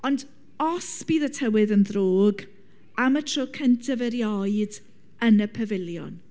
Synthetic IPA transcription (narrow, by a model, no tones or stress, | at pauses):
ɔnd | ɔsb̥iːðətʰəwɪðənðroːɡ | amətʰr̥okʰəntʰəvɛɾjɔɨd | ənəpʰəvɪlˠjɔ̰n